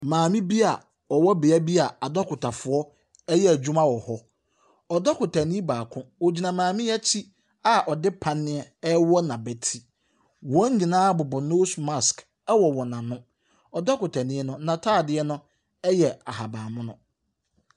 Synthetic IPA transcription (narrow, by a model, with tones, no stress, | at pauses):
mãː˨mĩ˦bi˦a˨ | ɔ˨wɔ˦bɪ˨a˦bi˦a˨a˨dɔ˦kʰʊ˨tʰa˨fʊ˨ɔ˦ | ɛ˦jɛ˦æ˨d͡ʑᶣũ˦mã˦wɔ˨hɔ˦ | ɔ˨dɔ˦kʊ˨tʰa˨nĩ˦baː˨kʰʊ̃˦wo˨d͡ʑi˨nã˨mãː˨mɪ̃˦jɛ˦t͡ɕʰi˦ | a˦ʔɔ˨dɪ˦pʰã˦nːɪ̃˦ɛ˦ɛ˦wɔ˦nã˨bɛ˨tʰi˦ | wɔ̃˦ɲ̩˦ɲĩ˨nãː˦bʊ˨bʊ˨no˦sma˦˨sk | ɛ˦wɔ˨wɔ˨nã˨nʊ̃˦ | ɔ˨dɔ˦kʊ˨tʰa˨nɪ̃˦nʊ̃˦nã˨tʰaː˦˨dɪ˨˦ɛ˦nʊ̃˦ | ɛ˦jɛ˨a˨ha˨baː˨mʊ̃˦nʊ̃˦